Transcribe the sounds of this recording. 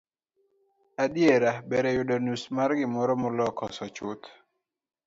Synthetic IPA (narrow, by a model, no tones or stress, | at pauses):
adieɾabɛɾɛjudɔnusmaɾɡɪmɔɾɔmɔlɔkʰɔsɔt͡ʃʊt̪